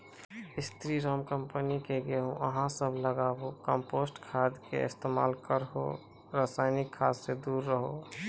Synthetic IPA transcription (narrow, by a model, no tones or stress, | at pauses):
ɪst̪ɾiɾɔmkəmpənikeɡeɦõʔəɦãsəbʱləɡaːbokə̃mpoːsʈkʰaːd̪kḛɪ̰st̪ema̰ːlkəɾɦo̰ | ɾaːsaːɪnɪkʰːaːd̪sed̪uːɾːəɦo